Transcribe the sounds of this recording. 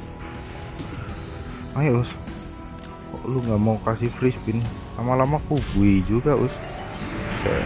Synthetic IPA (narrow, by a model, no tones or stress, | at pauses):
majaʊs | ɔ̰ʔluŋɡamaukasihfɾispɪnlamalamakubuid͡ʒuɡaʊs | a̰